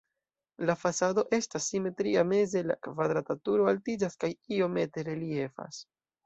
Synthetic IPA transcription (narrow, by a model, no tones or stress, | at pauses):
lafasado̞ʔe̞stasːime̞tɾiame̞ze̞la̰kvadɾatatuɾo̞altid͡ʒaskajio̞me̞te̞ɾe̞lie̞fa̰s